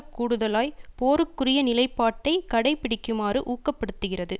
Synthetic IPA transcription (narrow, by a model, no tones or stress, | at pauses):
kːuːɽɯðɐlaːjpoːɾɯkːɯrɪjɐnɪlɐɪpːaːʈːɐɪkɐɽɐɪpːɪɽɪkːɯmaːrɯʔuːkːɐpːɐɽɯt̪ːɯɣɪrɐðɯ